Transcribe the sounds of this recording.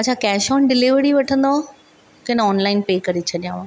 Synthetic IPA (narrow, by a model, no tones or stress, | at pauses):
ɐt͡ɕʰakɛːʃɔːnɖɪlɪʋɾiʋɐʈʰə̃nd̪o | kɪnɔːnlaːɪnpeːkɐɾit͡ɕʰɐɗijãʋã